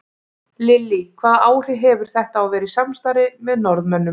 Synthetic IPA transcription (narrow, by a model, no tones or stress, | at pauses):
lɪlːikʰvaːðaːwl̥ɪɦɛvʏɾ̥θɛht̪aːwvɛːɾɪsamst̪aːɾɪmɛðnɔɾðmœnːʏm